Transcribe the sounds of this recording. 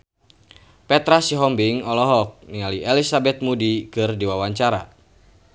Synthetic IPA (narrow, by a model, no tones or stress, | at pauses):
pɛt̪ɾasiɦɔmbiŋɔlɔɦɔk̚nialiʔɛlisabɛt̪̚mudikɨrdiwawaɲt͡ʃaɾa̰